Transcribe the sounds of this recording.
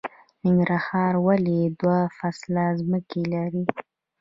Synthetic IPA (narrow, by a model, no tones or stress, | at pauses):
nɪŋɡɾahɑɾwaled̪wafaslazməkelaɾi